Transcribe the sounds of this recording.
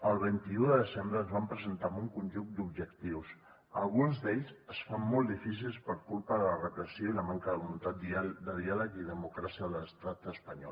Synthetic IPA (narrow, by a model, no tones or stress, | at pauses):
əlˠβ̞ɛnt̪iuðəðəzɛmbɾəːnzβampɾəzənt̪amuŋkunʲʒuŋd̪ubʒəkt̪iws | əlˠɣunzd̪eʎsəsfamːɔlˠd̪ifis̬ilˠspəɾkulˠpəðələrəpɾəsioiləmaŋkəðəβulunt̪at̪d̪əðialəkiðəmukɾasiəðələst̪at̪əspəɲɔ̰l